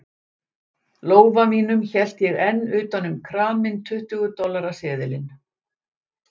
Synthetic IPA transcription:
loːwvamiːnʏmçɛl̥t̪jɛɣɛnːʏːt̪anʏmkʰɾaːmɪnt̪ʰʏht̪ʏɣʏt̪ɔlːaɾasɛːðɪlɪn

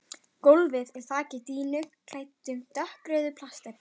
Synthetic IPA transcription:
kowlvɪðɪl̥θaːcɪt̪iːnʏkʰl̥aːjt̪ːʏmt̪œhkɾœːðʏpʰl̥ast̪ɛp̚n

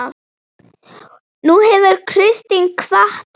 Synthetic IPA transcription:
nuhɛvʏɾkʰɾɪst̪iŋkʰvaht̪

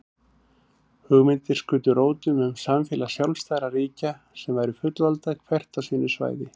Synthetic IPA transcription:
hʏɣmɪnt̪ɪɾ̥skʏːt̪ʏɾoːwt̪ʏmʏmsamfjɛːlasjawlst̪ajɾariːca | sɛmvajɾʏfʏt̪lvalt̪ajkʰvɛr̥t̪awsiːnːʏsva̰ːjðɪ

